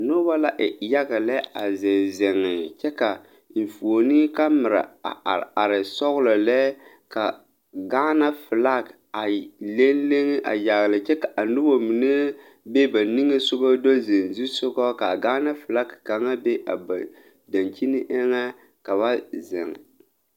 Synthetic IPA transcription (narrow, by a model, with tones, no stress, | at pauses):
no˦ba˦la˦ʔɪ˨ja˦ɡa˨lɛ˦a˨ze˨zɪ˨ŋɪ˨t͡ʃɛ˦ka˨˦ | n̩˨fo˨ni˦ka˦mɪ˨ɾa̰˨a˨ɾɪ˨sɔ˦ɣlɔ˨lɛ˦ | ka˨ | ɡaː˦na˦fɪ˨la˦k | a˨le˦nle˦ŋ˦ʔa̰˨ja˨ɣlɪ˨t͡ʃɛ˦ka˨ʔa˨nʊ˦bo˦mi˨ne˦ | be˦ba˨ni˦ŋe˦sʊ˦ɡɔ˦do˦ze˨n˨zu˦sʊ˦ɡɔ˦ka˨ɡaː˦na˦fɨ˨la˦kka˨ŋa˦be˦ʔa˨ba˨ | da˨nt͡ʃi˦nɪ˦ʔɪ˦ŋa˦ | ka˨βa˦zɪ̰˨ŋ˨